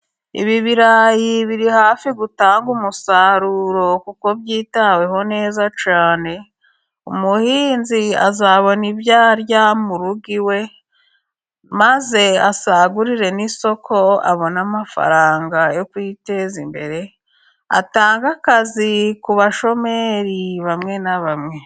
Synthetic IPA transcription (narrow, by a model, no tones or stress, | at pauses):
ḭβiβiɾajiβiɾihaːfiɡutaːŋɡumusaɾuɾo̞kuko̞bjiːtawe̞ɦo̞ne̞ːzat͡ʃaːne̞ | umuhiːnzia̰zaβo̞nibjaːɾjamuɾuɡiwe̞ | maze̞asaɡuɾiɾe̞niso̞kʰo̞a̰βo̞namafa̰ɾaːŋɡajo̞kwite̞zimbe̞ɾe̞ | a̰taːŋɡakazikuβaʃo̞me̞ɾiβamŋe̞naβamŋe̞